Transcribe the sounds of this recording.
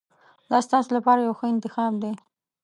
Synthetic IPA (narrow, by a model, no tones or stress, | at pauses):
d̪ɑst̪ɑsolapɑɾajawxəɪnt̪ɪxɑbd̪e